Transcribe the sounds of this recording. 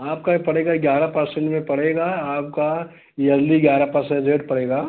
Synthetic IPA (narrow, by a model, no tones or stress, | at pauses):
aːp̚kapɐɽeːɡaɡjaːɾapɐɾsẽɳʈmẽpɐɽeːɡaaːp̚ka | jɐld̪iɡjaːɾapɐɾsə̃ɳɖɾeːʈpɐɽeːɡaː